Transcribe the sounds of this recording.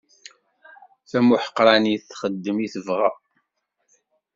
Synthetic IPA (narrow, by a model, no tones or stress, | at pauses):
θæmuħə̥qːɾˤɑniθχəd̪ːəmiθəvʁæ